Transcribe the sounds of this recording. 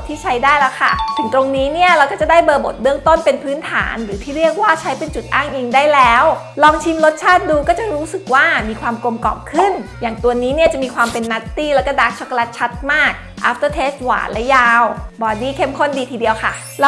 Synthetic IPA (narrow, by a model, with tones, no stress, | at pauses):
t̪ʰiː˥˩t͡ɕʰa˦˥jdaː˥˩jlɛː˦˥wkʰa̰˥˩t̪ʰɯ˨˩˦ŋt̪ɾo˧ŋniː˦˥ni˥˩ɐɾa˧wkɔː˥˩t͡ɕa˨˩daː˥˩jbɤː˧bo̰˨˩t̪̚bɯ˥˩əŋt̪o˥˩npe˧npʰɯː˦˥nt̪ʰa̰ː˩˦nɾɯː˩˦t̪ʰiː˥˩ɾi˥˩ək̚waː˥˩t͡ɕʰa˦˥jpe˧nt͡ɕu˨˩t̪̚ʔaː˥˩ŋʔiː˧ŋdaː˥˩jlɛː˦˥w | lɔː˧ŋt͡ɕ̪ʰi˧mlo˦˥t̪̚t͡ɕʰaː˥˩t̪̚duː˧kɔː˥˩t͡ɕa˨˩ɾuː˦˥sɯ˨˩k̚waː˥˩miː˧kʰwaː˧mko˧mkɔ̰ː˨˩p̚kʰɯ˥˩njaː˨˩ŋt̪u˧əniː˦˥ni˥˩ɐt͡ɕa˨˩ʔmiː˧kʰwaː˧mpe˧nːa˦˥t̪ːiː˥˩lɛ˦˥kɔː˥˩daː˦˩k̚t͡ɕʰo˦˥ka˧la˦˥t̪̚t͡ɕʰa˦˥t̪̚maː˥˩k̚ʔa̰˦˥p̚t̪ɤː˥˩t̪ʰeː˦˥st̪̚wa̰ː˨˩lɛ˦˥jaː˧wbɔː˧˩diː˥˩kʰe˥˩mkʰo˥˩ndiː˧t̪ʰiː˧di˧əwkʰa̰˥˩˧